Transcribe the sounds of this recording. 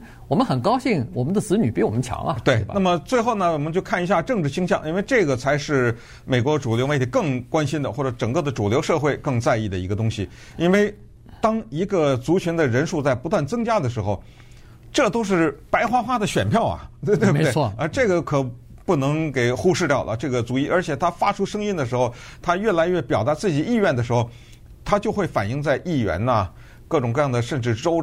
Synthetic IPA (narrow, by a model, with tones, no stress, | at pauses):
wɔ˨˩mə̃˦nxə˨˩nkɑ˥ʊɕi˥˩ŋwɔ˨˩mə˦nd̪ə˧t͡sɹ̩˧˥ny˨˩pi˧˥wɔ˨˩mə˦nt͡ɕʰjɑ̰˧˥ŋɐ̰˧t̪we˥˩ɪ˥na˥˩mə˩t͡swe˥˧ɪxo˥˩ʊnə˩wɔ˨˩mə˦nt͡ɕjo˥˧ʊkʰa˥˩ni˧˥ɕ̬ja˥˧ʈ͡ʂɤ˥˧ŋʈ͡ʂɻ̩˥˩ɕi˥ŋɕjɑ˥˩ŋʔi˥nwe˥˧ʈ͡ʂɤ˥˩ɡə˩t͡sʰa˧˥ɪʂɻ̩˥˩ | me˨˩ɪkwɔ˧˥ʈ͡ʂu˨˩ljo˧˥ʊme˥˩t̪ʰi˧˥kɤ˥˩ŋkwa˥nɕi˥nd̪ə˨xwɔ˥˩ʈ͡ʂɤ˧˥ʈ͡ʂɤ˨˩ŋkɤ˥˩d̪ə˩ʈ͡ʂu˨˩ljo˧˥ʊʂɤ˥˧xwe˥˧ɪkɤ˥˧ŋt͡sa˥˧ɪi˥˩d̪ə˩i˧˥ɡə˧t̪ʊ˥ŋɕi˨˩ | i˥nwe˥˩ɪ | t̪ɑ˥ŋi˧˥ɡə˧t͡su˧˥t͡ɕʰy˧˥nd̪ə˨ɻə˧˥nʂu˥˧t͡sa˥˩ɪpu˧˥t̪wa˥˩nt͡sɤ˥ŋt͡ɕja˥d̪ə˨ʂ̬ɻ̩˧˥xo˧ʊ | ʈ͡ʂɤ˥˩t̪o˥ʊʂ̬ɻ̩˥˩pa˧˥ɪxwa˥xwa˥d̪ə˨ɕɥɛ˨˩npʰjɑ˥˩ʊɐ̰˩˥˧t̪we˥˧b̪wə˧ʈ͡ʂɤ˥˩ɡə˩kʰɤ˨˩ | pu˥˩nɤ˧˥ŋke˨˩ɪxu˥˧ʂɻ̩˥˧t̪jɑ˥˩lʔə̰˩ʈ͡ʂɤ˥˩ɡə˩t͡su˧˥i˥˩ʔə˞˧˥t͡ɕʰjɛ˨˩t̪ʰa˥fa˥ʈ͡ʂʰu˥ʂɤ˥ŋi˥nd̪ə˩ʂ̬ɻ̩˧˥xo˧ʊt̪ʰa˥ɥɛ˥˩la˧˥ɪɥɛ˥˩pjɑ˨˩ʊt̪a˧˥t͡sɹ̩˥˩t͡ɕi˨˩i˥˧ɥɛ˥˩nd̪ə˩ʂɻ̩˧˥xo˥˧˩ʊ | t̪ʰa˥t͡ɕjo˥˧xwe˥˩ɪfa˨˩ni˥˧ŋt͡sa˥˧ɪʔi˥˩ɥɛ̰˧˥nə˧ | kɤ˥˩ʈ͡ʂʊ˨˩ŋkɤ˥˧jɑ˥˩ŋd̪ə˩ʂə˥˧nʈ͡ʂɻ̩˥˩ʈ͡ʂo˥ʊ